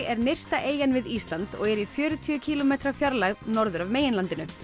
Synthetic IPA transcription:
ɛɾnejr̥st̪aʔeːjanvɪðist̪lant̪ɔɣɛɾifjœːɾʏt̪ʰʏʏcʰiːlɔmeːt̪ɾafjaɾlaɣnɔɾðʏɾavmeːjɪnlant̪ɪnʏ

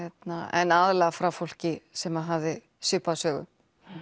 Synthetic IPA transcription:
ɛt̪naɛ̰nːaðlɛɣafɾawfowl̥cɪsɛmaðɦavðɪ | sʏpasœːɣʏ̰m

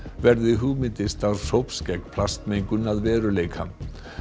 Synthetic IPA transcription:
vɛɾðɪɦuːmɪnt̪ɪst̪awɾsowpscɛknpʰlast̪mejŋkʏnaðvɛːɾʏleːjkʰa̰

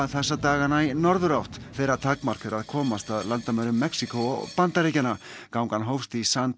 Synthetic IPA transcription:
ðθɛsːat̪aːɣanajnɔɾðʏɾawht̪fɛːɾaðt̪ʰakmar̥kʏɾʔaðkʰɔːmast̪aðlant̪amaɾʏmːɛksikowɔ̰ɣpant̪aɾejcana | kawŋkanɦowfst̪isan

